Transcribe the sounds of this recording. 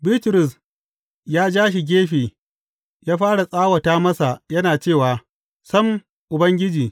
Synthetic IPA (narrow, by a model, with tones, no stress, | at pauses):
bɪ˦tɾʊ˨s | jaː˦d͡ʒaː˦ʃ̬i˨ɡʲeː˦ɸeː˨ | jaː˦ɸaː˦ɽa˨sʼaː˦wɐ˨taː˦mɐ˦sa˨jɐ˦naː˨t͡ʃeː˦˨waː˨ | sɐ˦m | ʔʊ˨bɐ˦ŋɡʲɪ˦d͡ʒiː˨